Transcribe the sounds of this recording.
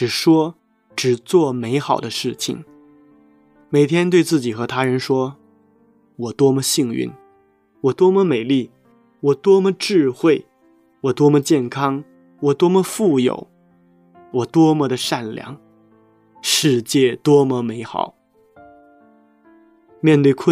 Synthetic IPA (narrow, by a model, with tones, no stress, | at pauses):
ʈ͡ʂɻ̩˨˩ʂwɔ˥ | ʈ͡ʂɻ̩˨˩t͡swɔ˥˩me˧˥ɪxɑ˨˩ʊd̪ə˦ʂɻ̩˥˩t͡ɕʰḭ˨˩ŋ | me˨˩ɪt̪ʰjɛ˥nt̪we˥˧ɪt͡sɹ̩˥˩t͡ɕi˨˩xɤ˧˥t̪ʰa˥ɻə˧˥nʂwɔ˥ | wɔ˨˩t̪wɔ˥mə˨ɕi˥˧ŋy̰˥˩n | wɔ˨˩t̪wɔ˥mə˧me˨˩ɪli˥˩ | wɔ˨˩t̪wɔ˥mə˨ʈ͡ʂɻ̩˥˧xwe˥˩ɪ | wɔ˨˩t̪wɔ˥mə˧˨t͡ɕjɛ˥˩nkʰɑ˥ŋ | wɔ˨˩t̪wɔ˥mə˧fu˥˩jo̰˨˩˦ʊ | wɔ˨˩t̪wɔ˥mə˧d̪ə˧ʂa˥˩nljɑ̰˧˥˦ŋ | ʂɻ̩˥˧t͡ɕjɛ˥˩t̪wɔ˥mə˨˦me˧˥ɪxɑ̰˨˩˦ʊ | mjɛ˥˧nt̪we˥˧˩ɪkʰə˥